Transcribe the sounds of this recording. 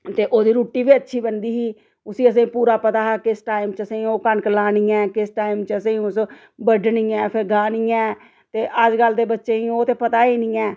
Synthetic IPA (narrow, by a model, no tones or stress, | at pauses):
t̪eːʔoːd̪iːɾuːʈːiːbiːətːʃʰiːbənd̪iːɦiː | ʊsĩːəs̬ẽːpuːɾaːpət̪aːɦaːkɪsʈaːimt͡ʃəsẽːoːkənklaːnĩːɛːkɪsʈaːiːmt͡ʃəsẽːʊs | bəɖɳiːɛːpʰɪɾɡaːniːɛː | t̪eːʔəd͡ʒɡəlːd̪eːbətːʃeːĩːoːt̪eːpət̪aːiːnĩːɛː